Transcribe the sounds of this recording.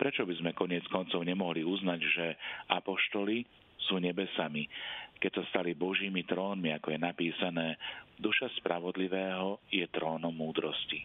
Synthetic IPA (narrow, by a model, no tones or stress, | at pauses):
pɾɛt͡ʃɔbizmɛkɔɲɪɛt͡skɔnt͡sɔʊɲɛmɔɦliuznaɟʒɛapɔʃt̪ɔli | suːɲɛbɛsamikɛcsast̪alibɔʒiːmit̪ɾɔːnmiakɔjɛnapiːsanɛːd̪uʃaspɾʔaʋɔd̪liʋɛːɦɔjɛt̪ɾɔːnɔmːuːd̪ɾɔsci